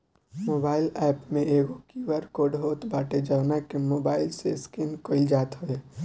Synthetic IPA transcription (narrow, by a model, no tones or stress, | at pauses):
moːbaːɪlɛːpmẽeːɡokiʋəɾkoɖɦoːt̪baːʈed͡ʒəʋnakemoːbaːɪlseskɪnkoɪld͡ʒaːt̪ɦoeː